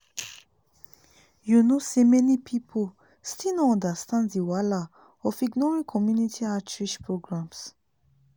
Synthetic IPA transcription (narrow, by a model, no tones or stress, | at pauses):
junosemɛnipʰipʰo | stilnɔɔ̃ndastãnddiwala | ɔfiɡnɔɹĩkʰɔmjunitʰiat͡ʃɹiʃpɹoɡɹãms